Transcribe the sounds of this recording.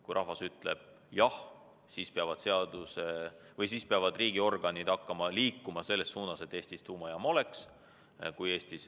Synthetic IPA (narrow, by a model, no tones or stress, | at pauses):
kujɾɑɦvɑsyt̪ˑle̞̰b̥̚ | jɑh | siːspeɑvɑd̪̥se̞ɑd̪̥use | vɤjsiːspeɑvɑd̪riːɡio̞rɡ̥ɑnid̪ɑkːɑmɑliːkːumɑse̞lːe̞sːuːnɑse̞t̪ːe̞ːst̪ist̪uːmɑjɑmo̞le̞ks | kuje̞ːst̪is